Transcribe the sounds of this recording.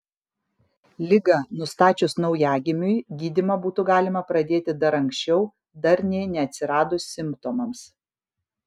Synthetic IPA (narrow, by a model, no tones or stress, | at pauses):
lʲɪɡɑnʊst̪ɑːt͡ʃʲʊsnɒʊjæːɡʲɪmʲʊjɡʲiːd̪ʲɪmɐbuːt̪ʊɡɑːlʲɪmɐpɾɐd̪ʲeːt̪ʲɪd̪ɐɾɐŋksʲt͡ʃʲɛʊ | d̪ɐɾnʲɛːnʲɛɐt̪ʲsʲɪɾɑːd̪ʊsʲsʲɪmpt̪omɐms